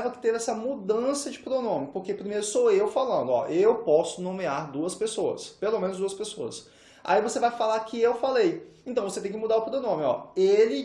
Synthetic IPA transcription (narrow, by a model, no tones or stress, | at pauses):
vɐkɪ̥t̪evɛsɐmud̪ɐ̃sɐd͡ʒɪpɾonõmʊpoɾkepɾimejɾʊsoewfalɐ̃nd̪ʊɔ̰ʔewpɔsʊnõmiaɾd̪uɐspesoɐ̰spelomẽnʊzd̪uɐspesoɐ̰s | ʔa̰ivosevajfalakɪewfalejẽt̪ɐ̃w̃voset̪ẽj̃kɪmud̪aʊpɾonõmʊɔ̰elɪ